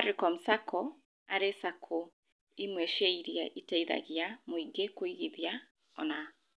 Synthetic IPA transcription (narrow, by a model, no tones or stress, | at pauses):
aɾikɔm̩sakʰɔ | a̰ɾesakʰo | imwɛʃɛiɾjaʔitɛiða̰ɣjamoiɡekoiɣiðja | ɔ̰na